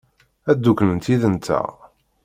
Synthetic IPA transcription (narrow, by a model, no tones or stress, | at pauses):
æd̪ːukːnənt̪iðənt̪æ̰